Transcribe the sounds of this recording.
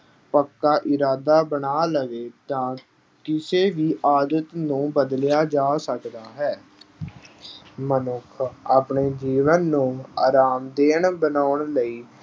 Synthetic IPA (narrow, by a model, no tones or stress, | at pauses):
pəkːaːʔɪɾaːd̪aːbəɳaːləʋeːt̪ãː | kɪseːʋiːʔaːd̪ət̪nũːbəd̪ljaːd͡ʒaːsəkd̪aːɦɛː | mənʊkʰaːpɳeːd͡ʒiːʋənːũːaːɾaːmd̪eːɳbənaːʊɳləiː